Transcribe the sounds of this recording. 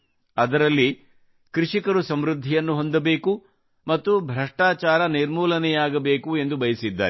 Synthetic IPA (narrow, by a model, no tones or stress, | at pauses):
ɐd̪ɐɾɐlːi | kɾuʂikɐɾusɐmɾud̪ʱːijɐnːuɦo̞nd̪ɐbe̞ːku | mɐt̪ːubʱɾɐʂʈaːt͡ʃaːɾɐniɾmuːlɐnɛjaːɡɐbe̞ːkue̞nd̪ubɐjɐsid̪ːa̰ːɾɛ